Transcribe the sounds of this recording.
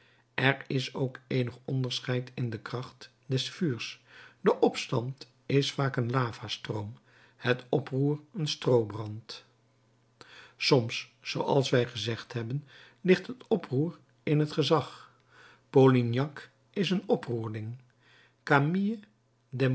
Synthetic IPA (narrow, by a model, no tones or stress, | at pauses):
ʔɛɹɪsowkejnəχɔ̰ndəɹsχɛjtʰɪndəkrɑχt | dɛsfyːɹsdəʔɔpstɑnt | ɪsfaːkənlaːvastrowm | hətɔpruːrənstrowbrɑnt | sɔmsːowɑ̰lˠsʋɛjχəzɛχtɦɛbən | lɪχtɦətɔpruːr | ɪnɦətχəzɑχ | polinjɑk | ɪsənɔpruːɹdɪŋ | kamiə | dɛ